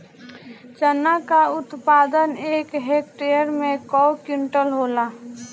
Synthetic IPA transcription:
t͡ʃənːakaʊt̪paːd̪əneːkɦek̚ʈejəɾmẽkɔːwkjʊɳʈəlɦoːlaː

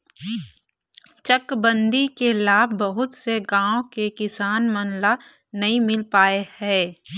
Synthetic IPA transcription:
t͡ʃəkbə̃nd̪ikelaːbbɐɦʊt̪seɡãːõkekɪsaːnmɐnla | nɐɦĩmɪlpaːehɛː

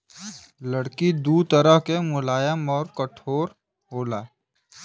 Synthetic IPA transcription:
ləɽkid̪uːt̪əɾəɦkemʊlaːjəmɔːɾkəʈʰoːɾ | ɦoːlaː

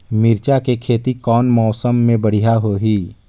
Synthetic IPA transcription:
mɪɾt͡ʃakekʰeːt̪ikɔːnmɔːsəmːẽbəɽ̤ijaɦoɦiː

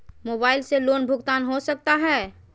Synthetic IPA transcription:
moːbaːɪlseloːnbʱʊɡt̪aːnɦosək̚t̪aɦɛː

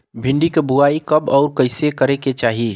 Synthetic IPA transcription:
bʱiɳɖikebuaikəbɔʊɾkəɪsekəɾeket͡ʃaɦi

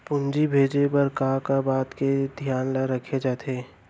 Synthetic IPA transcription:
pʊ̃nd͡ʒibʱeːd͡ʒepɐɾkaːkabaːt̪ked̪ʱjaːnlaɾɐkʰed͡ʒaːt̪ʰeː

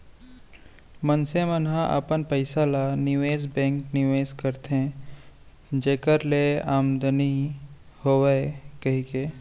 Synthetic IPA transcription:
mənsemənɦãʔə̰pənpəɪsalanɪʋeːzbɛ̃ːŋknɪʋeːzkəɾt̪ɦẽ | d͡ʒeːkəɾleaːmd̪əni | hoːʋeekəɦikeː

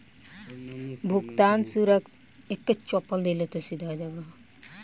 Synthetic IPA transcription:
bʱukt̪ansuɾək | ekt̪et͡ʃɔpəld̪elet̪esid̪ʱad͡ʒabaɦ

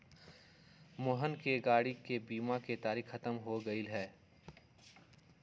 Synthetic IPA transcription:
moɦənkeɡaːɽikebiːmaket̪aːɾiːxxɐt̪əmɦoɡəilɦɛː

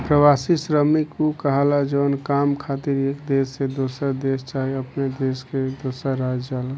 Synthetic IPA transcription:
pɾəʋasisɾəmikukəɦalad͡ʒəwnkamkʰat̪iɾekd̪esːed̪osəɾd̪est͡ʃaɦiəpned̪esked̪osəɾɾad͡ʒd͡ʒala

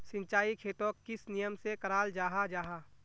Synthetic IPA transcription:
sɪ̃ɲt͡ʃaːikʰeːt̪õkːɪsnijəmsekɐɾaːld͡ʒaːɦad͡ʒaːɦaː

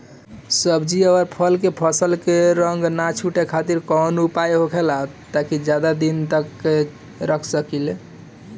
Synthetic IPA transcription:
səbd͡ʒiəwəɾpʰəlkepʰəsəlkeɾəŋɡnat͡ʃʰuʈekʰat̪iɾkɔnupajɦokʰelatt̪akid͡ʒjad̪ad̪int̪əkːe | ɾəkʰsəkil

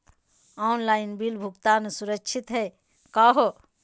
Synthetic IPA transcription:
anlainbilbʱuɡt̪aːnsuɾəkt͡ʃʰit̪ɦɛ | kaɦo

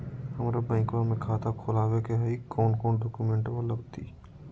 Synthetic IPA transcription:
hɐmɾabɛ̃ːŋkwamẽkʰaːt̪ʰakʰoːlaːwekeɦɐikɔːnkɔːnɖɔːkumẽɳʈʋɐlɐɡt̪ʰiː

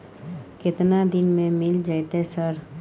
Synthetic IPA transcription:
kɪt̪nad̪ɪnmẽmɪld͡ʒajt̪esəɾ

